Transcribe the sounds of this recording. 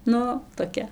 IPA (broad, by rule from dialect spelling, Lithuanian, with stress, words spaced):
ˈnʊ toːˈkʲɛ